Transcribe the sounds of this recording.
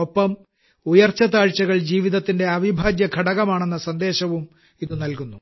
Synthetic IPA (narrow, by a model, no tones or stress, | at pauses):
opːɐm | ujɐrt͡ɕːɐt̪aːɻt͡ɕːɐɣɐɭd͡ʑiːʋiðɐt̪ːinde̞ɐʋibʱaːd̪jɐkʰɐɽɐɣɐmaːɳe̞nːɐsɐnd̪e̞ːɕɐʋum | iðɨnɐlkunːu